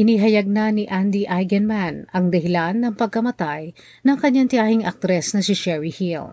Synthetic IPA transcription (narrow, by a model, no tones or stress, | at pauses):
ʔɪniɦɐjɐɡ̚nɐniʔand̪iʔajɡɛnmanɐŋd̪ɐhɪlanːɐŋpɐɡ̚kɐmɐt̪aj | nɐŋkɐɲːaŋt̪ɪaːhɪŋɐ̰k̚t̪ɾɛsnɐsɪʃɛɹihil